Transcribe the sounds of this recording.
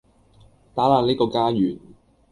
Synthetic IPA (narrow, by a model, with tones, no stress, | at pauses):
t̪aː˨˥laː˨˩neː˥kɔː˧kaː˥jyː˨˩n